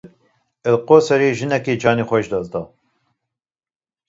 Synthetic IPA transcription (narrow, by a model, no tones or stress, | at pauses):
əlqoːsɛɾeːʒɨnɛkeːd͡ʒɑːnexʷɛʃd̪ɑzd̪ɑː